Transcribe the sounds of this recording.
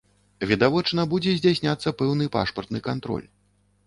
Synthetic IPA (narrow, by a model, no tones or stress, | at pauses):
vʲid̪avɔt͡ʂnɐbud͡zʲɛzʲd͡zʲasʲnʲat̪sːɐpɛwnɨpa̰ʂpɐrt̪nɨkant̪ɾɔ̰lʲ